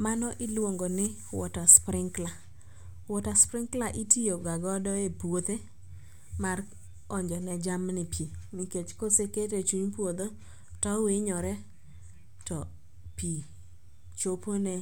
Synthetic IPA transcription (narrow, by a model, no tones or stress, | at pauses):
manɔʔɪlwoŋɡonɪ | wɔ̰taspɾɪŋkla | wɔtaspɾɪŋklaʔitijoɡaɡɔdɔepwot̪e | mar | ɔɲd͡ʒɔnɛd͡ʒamnɪpimiket͡ʃkoseketet͡ʃuɲpwod̪o | tɔwɪɲɔɾɛ | tɔ | pi | t͡ʃoponɛ